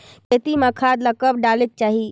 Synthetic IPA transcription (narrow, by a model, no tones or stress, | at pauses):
ket̪iməkʰad̪ləkəb̚ɖalek̚t͡ʃaːɦi